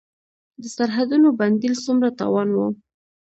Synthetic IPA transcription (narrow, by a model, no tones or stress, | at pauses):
d̪əsaɾɦad̪unoband̪ilsumɾat̪ɑ̰wɑnwu